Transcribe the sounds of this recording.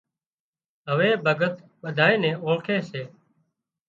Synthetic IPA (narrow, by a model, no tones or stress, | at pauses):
ɦəʋeːbʱəɡət̪ | ɓəd̪ʱaːeːnɛ̃ːʔoːkʰeːseː